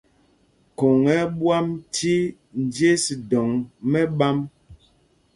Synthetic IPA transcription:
ko˨ŋɛ˨˦bwa˦mtʰi˦ | n̩˨dje˦si˨dɔ˨ŋmɛ˦ɓa˦m

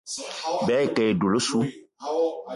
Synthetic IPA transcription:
bɛ˨˦e˨kɛ˨e˨do˨lo˦su˦

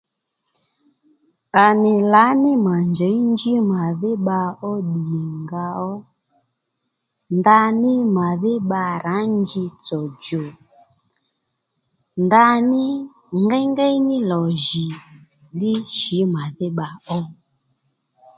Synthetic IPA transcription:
a˨nɪ˨la˨˦nɪ˦ma˨nd͡ʒɛ˨˦i˦nd͡ʒi˦ma˨ðɪ˦ɓa˧ɔ˦ɗi˨ŋɡa˧ɔ˦ | nda˧nɪ˦ma˨ðɪ˦ɓa˧ɾa˨˦nd͡ʒi˧t͡sɔ˨d͡ʒɔ˨ | nda˧nɪ˦ | ŋɡa˦ŋɡa˦i˦nɪ˦lɔ˨ʒi˨ | lɪ˦ʃi˨˦ma˨ðɪ˦ɓa˧ɔ˦

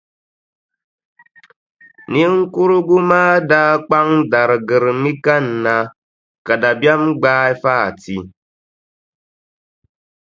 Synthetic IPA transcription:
ni˦ŋ̩˦ku˦ɾʊ˦ɡu˦maː˦daː˦k͡pa˦ŋda˨ɾɨ˨ɡɨ˨ɾɨ˨mi˦ka˦n̩˨na˨ | ka˨da˨bja˦mɡ͡baː˦i˦faː˦˨ti˨

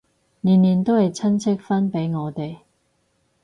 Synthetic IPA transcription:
niː˨˩nliː˨nt̪o˥whɐ˨jt͡sʰɐ˥nt͡sʰɪ˥k̚fɐ˥npe˨˥jŋɔː˨˧t̪e˨j

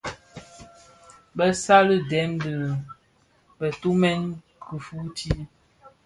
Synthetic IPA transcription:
bə˦sa˦lə˦dɛ˨˦mdə˨ | bə˨tu˦mɛ˦n | ku˨fu˦tʰi˦

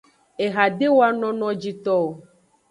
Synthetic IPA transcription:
e˨ɣa˨ɖe˦wo˦a˦nɔ̃˦nɔ̃˦d͡ʑi˦t̪ɔ˦o˨

